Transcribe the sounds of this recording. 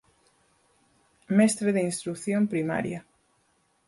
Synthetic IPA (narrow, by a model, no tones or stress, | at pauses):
mɛst̪ɾeðeinst̪ɾukθjompɾima̰ɾja